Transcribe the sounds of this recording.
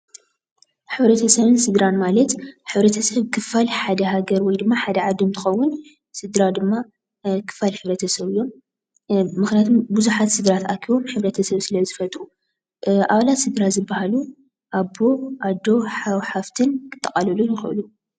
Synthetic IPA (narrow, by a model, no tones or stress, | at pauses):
ħɨβɾɐt̪ʰɐsɐβɨnsɨd̪ɾanmalɐt̪ħɨβɾɐt̪ʰɐsɐβkʰɨfalħad̪ɐɦaɡɐɾwɔjd̪ɨmːaħad̪ɐʕad̪umt̪ʰɨ̥xɐwːʊn | sɨd̪ɾad̪ɨmːa | kʰɨ̥fːalħɨβɾɐt̪ʰɐsɐβɨjːo̞m | mɨxnijat̪ʰumbuzuħat̪sɨd̪ɾat̪akʰiβo̞mħɨβɾɐt̪ʰɐsɐβsɨlɐzɨfɐt̪ʼu | ʔa̰βalat̪sɨd̪ɾazɨbːahalu | ʔabo̞ʔad̪o̞ħawħaft̪ʰɨnkʰɨ̥t̪ʰːɐkʼalɐlunjɪxɨʔɨ̰lu